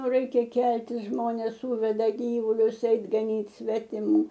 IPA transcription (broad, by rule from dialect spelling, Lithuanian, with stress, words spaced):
oː ˈrɐɪkʲɛ ˈkʲɛlʲtʲɪs ˈʒmoːnʲeːs ˈsuːʋʲɛdɐ ˈɡʲiːʋʊlʲʊs ˈɛɪt ɡɐˈnʲiːt sʲʋʲɛtʲɪˈmuː